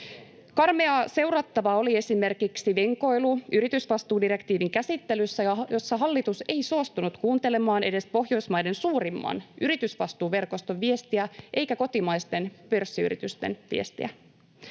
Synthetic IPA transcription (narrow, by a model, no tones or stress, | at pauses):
kɑrmeɑse̞wrɑt̪ːɑʋɑo̞lie̞sime̞rkiksiʋeŋko̞jluyɾit̪ysʋɑst̪uːdiɾe̞kt̪iːʋiŋkæsit̪ːe̞lysːæjɑjo̞sːɑɦɑlːit̪use̞jsoɑst̪unut̪kuːnt̪e̞le̞mɑːne̞de̞spo̞ɦjo̞jsmɑjde̞nsuːɾimːɑ̰nʔyɾit̪ysʋɑst̪uːʋe̞rkost̪o̞ʋːie̞st̪iæʔe̞jkæko̞t̪imɑjst̪e̞npø̞rsːiy̰ɾḭt̪yst̪ḛnʋḭest̪ḭæ̰